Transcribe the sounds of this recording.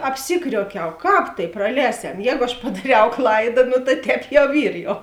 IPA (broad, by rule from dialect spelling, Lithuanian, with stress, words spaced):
ɐpʲˈsʲɪkrʲuɔkʲɛʊ ˈkɑːp tɐɪ prɐˈlʲɛːsʲɛm ˈjɛːɡʊ ɐʃ pɐdɐˈrʲɛʊ ˈklˠɐɪdɐ noː tɐ ˈtʲɛːp jɛʊ ˈiːr jɛʊ